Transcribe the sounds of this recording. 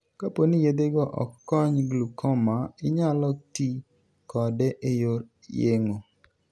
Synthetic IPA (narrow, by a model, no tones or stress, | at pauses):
kaponijed̪eɡɔʔɔ̰kːɔɲɡlukʰɔmaɪɲalɔti | kɔdɛʔejoɾ | jeŋo